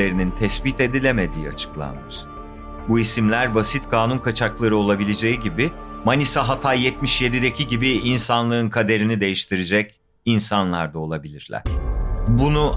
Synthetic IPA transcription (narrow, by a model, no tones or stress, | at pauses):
e̞ɾinint̪ʰɛsbit̪e̞d̪ilʲeme̞d̪ḭːa̰t͡ʃʰɯ̥klˠa̰nmɯʃ | buisimlʲæɾbasit̪kʰaːnunkʰat͡ʃʰaklˠaɾɯo̞lˠabilʲed͡ʒe̞jiɟibi | manisaɦat̪ʰajɛt̪miʃje̞d̪id̪ecʰiɟibiinsanlˠɯɯnkʰad̪e̞ɾinid̪e̞jiʃt̪ʰiɾid͡ʒɛc | insanlˠaɾd̪ao̞lˠabilʲiɾlʲæ̰ɾ̥bunu